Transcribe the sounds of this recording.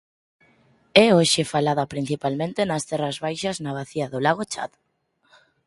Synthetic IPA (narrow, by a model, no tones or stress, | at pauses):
ɛoʃefalaðapɾin̟θipalmẽnt̪enɐst̪ɛrɐzβajʃaznaβ̞aθiaðolaɣot͡ʃa̰ð